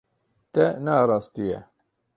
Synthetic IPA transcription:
t̪ænæɾˤɑst̪ijæ

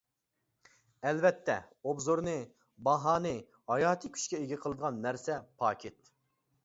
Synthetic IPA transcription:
ɛlvɛt̪ʰːɛ̰ | obzoɾnɨ | bɑɦɑːnɨ | hɑjɑːt̪ʰɨkʲʰy̥t͡ʃkʲɛeɡʲɛqʰəlˠɨd̪əʁɑnːæɾsɛpʰɑːkʲʰɪt̪̚

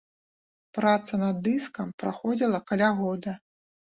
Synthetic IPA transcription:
pɾat̪sɐnɐd̪ːɨskɐmpɾaxɔd͡zʲilˠɐkalʲaɣɔd̪ɐ

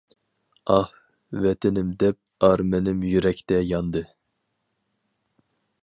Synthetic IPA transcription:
ɑh | vɛt̪ʰɪnɪmd̪ɛp̚ɑɾmɛnɪmjyɾɛkʲt̪ɛjɑnd̪ɨ

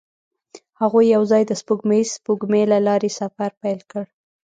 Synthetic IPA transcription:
haɣujːawzɑjd̪əspuɡmespuɡmelalɑɾesafaɾpajlkəɽ

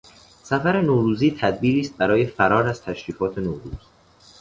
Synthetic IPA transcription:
sæfæɾe̞noːɾuːziːt̪ʰæd̪̚biːɾiːst̪̚bæɾɒːje̞fæɾɒːɾæzt̪ʰæʃɾiːfɒːt̪ʰe̞noːɾṵːz̥

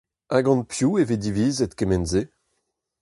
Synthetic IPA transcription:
aɡɑ̃npʰjueved̪iviːzet̪kemɛnze

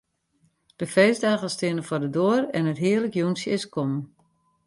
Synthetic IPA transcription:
d̥əfeːzdaːɣəstɪənəfɔrdədoərɛnətɦiərləkjunsjəɪskʰɔm

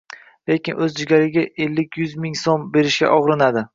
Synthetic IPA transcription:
le̞kʲɪnʔɵzd͡ʒɪɡʲaɾɪɡʲaʔelːɪkʲʰjʊzmɪŋsombe̞ɾɪʃkʲa̰ʔɒʁɾɪnad̪ɪ

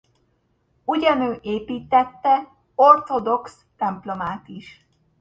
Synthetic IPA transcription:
uɟɒnøːʔeːpiːt̪ɛt̪ːɛ | o̞rt̪o̞d̪o̞ksːɛmplo̞maːt̪iʃ

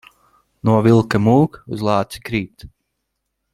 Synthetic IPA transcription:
nuɔvilˠkamuːkuzlˠɑːt̪si̥kɾiːt̪

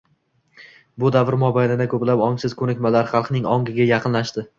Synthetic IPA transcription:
bʊd̪avɾmɒbajlɪd̪akʰɵplapɒŋsɪz̥kʰɵnɪkʲmalaɾχɑlˠqʰnɪŋɒ̰ŋɡʲɪɡʲajɑqʰɨnlaʃt̪ɪ

